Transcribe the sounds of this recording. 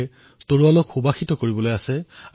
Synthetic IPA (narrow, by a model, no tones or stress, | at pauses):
toɹualokxubaxitɔkoɹibɔlojasɛ